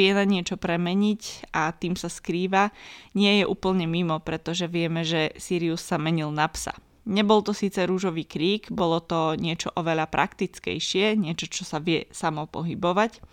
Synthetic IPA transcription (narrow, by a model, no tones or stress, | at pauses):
ɪɛnaɲɪɛt͡ʃɔpɾɛmɛɲicat̪iːmsaskɾiːʋaɲɪɛjɛʔuːpl̩ɲɛmimɔpɾɛt̪ɔʒɛʋɪɛmɛʒɛsiːɾiusːamɛɲilnapsa̰ | ɲɛbɔlt̪ɔsiːt͡sɛɾuːʒɔʋiːkɾiːɡbɔlɔt̪ɔɲɪɛt͡ʃɔʔɔʋɛʎapɾa̰kt̪it͡skɛ̰jʃɪɛɲɪɛt͡ʃɔt͡ʃɔsaʋɪɛsamɔpɔ̰ɦibɔʋac